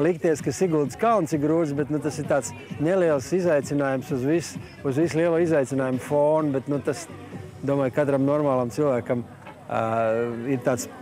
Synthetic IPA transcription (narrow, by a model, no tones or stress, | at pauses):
lˠikt̪iɛskasiɡulˠd̪skawnt̪sikɡɾuːd̪zʲbɛt̪nut̪asiɾt̪aːt̪s | neliɛlˠsizajt̪sinaːjumsuzʋis | uzvislˠiɛlˠuːizajt̪ʲinaːjumfoːnbɛt̪nut̪as | d̪uɔmaːjkat̪ɾamnɔɾmaːlˠamsilˠvæːkɐm | iɾt̪aːt̪s